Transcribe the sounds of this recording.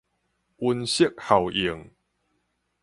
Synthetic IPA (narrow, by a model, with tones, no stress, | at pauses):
ʔu˧nɕi˦˨k̚ha˨˩wʔi˨˩ə˦ŋ